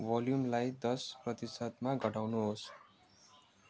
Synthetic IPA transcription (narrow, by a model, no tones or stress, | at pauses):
bʌljumlajd̪ʌsprʌt̪isʌd̪maɡʱʌʈawnuɦos